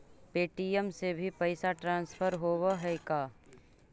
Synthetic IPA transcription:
peːʈijəmsebʱipɐɪsaʈɾãːnspʰəɾɦowaɦɛkaː

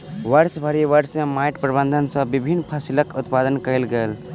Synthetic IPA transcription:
ʋəɾsbʱəɾiʋəɾsẽmajʈpɾbə̃nd̪ʱənsə̃bibʱinːpʰasiləkʊt̪pad̪ənkəilɡəl

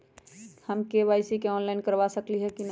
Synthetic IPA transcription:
həmkeʋaːɪsikeɔːnlaɪnkəɾʋasəkliɦɛkin

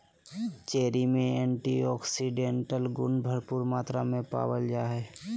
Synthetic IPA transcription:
t͡ʃeːɾimẽɛ̃ːɳʈiɔːksiɖẽːɳʈəlɡʊnbʱəɾpuːɾmaːt̪ɾamẽpa̰ːwəld͡ʒaːɦɛː

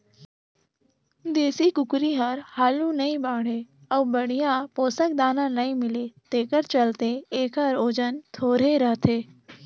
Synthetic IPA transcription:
d̪eːsikʊkɾiɦɐɾhaːlunɐĩbaːɽ̤e | ɐubəɽ̤ijãpoːsək̚d̪aːnãnɐĩmɪleːt̪eːkəɾt͡ʃɐlt̪eeːkəɾoːd͡ʒənt̪ʰoːɾeɾəɦt̪ʰeː

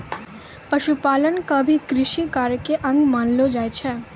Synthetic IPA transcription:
pəʃupalənkəbʱikɾɪʃikaɾkeʔə̃ŋɡmanlod͡ʒajt͡ʃʰɛ

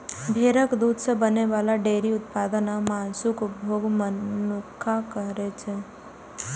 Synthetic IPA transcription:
bʱeːɾəkd̪uːd̪ʱsebəneʋaːlaɖeːɾiʊt̪paːd̪ənamaːnsʊkʊbʱoːɡmənʊkʰːakəɾet͡ʃʰɛ

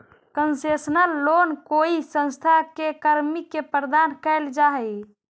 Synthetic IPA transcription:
kənsesnəlːonkoisə̃nst̪ʰakekəɾmikːepɾəd̪ankəld͡ʒaɦɛ

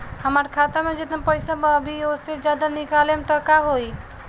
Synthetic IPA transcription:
həmaːɾkʰaːt̪amẽd͡ʒɪt̪əpəɪsaməbʱiosed͡ʒjaːd̪anɪkaːlemt̪ɔkaɦoːi

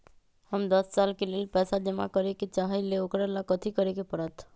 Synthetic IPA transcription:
həmd̪əst͡ʃaːlkelelpɛːsad͡ʒəma̰kəɾekit͡ʃaɦaileokɾalakət̪ʰikəɾekepəɽət̪ʰ

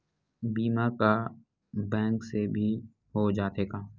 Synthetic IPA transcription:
biːmaka | bɛ̃ːŋksebʱi | ɦod͡ʒaːt̪eːɡaː

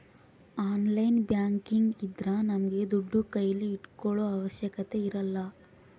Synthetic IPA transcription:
aːnlɐjnbjaːŋkiŋɡid̪ɾɐnɐmɐɡe̞d̪uɖːukɐjɐlːiːʈkɔɭoːɐʋɐʃjɐkɐt̪e̞iɾɐlːɐ

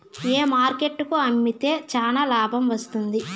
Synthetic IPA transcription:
eːmaːɾke̞ʈːukuɐmːit̪e̞ːt͡ʃaːnaːlaːbʱɐmʋɐst̪und̪i

